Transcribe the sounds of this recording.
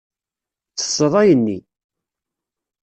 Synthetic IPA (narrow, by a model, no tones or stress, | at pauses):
t͡sːə̥sːəðˤɑjənːi